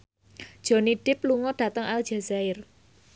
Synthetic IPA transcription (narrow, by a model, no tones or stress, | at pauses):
d̥ʒ̥ɔ̤niɖ̥ɪpluŋɔɖ̥ä̤t̪əŋald͡ʒ̥azaɪr